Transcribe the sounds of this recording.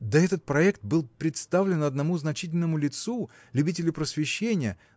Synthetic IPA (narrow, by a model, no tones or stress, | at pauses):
d̪ɐɛt̪ət̪̚pɾɐɛkt̪̚bɨlˠpɾʲɪt̪st̪avlʲɪnɐd̪nɐmuznɐt͡ɕitʲɪlʲnəmʊlʲɪt̪su | lʲʉbʲitʲɪlʲʊpɾəsvʲɪɕːenʲɪjə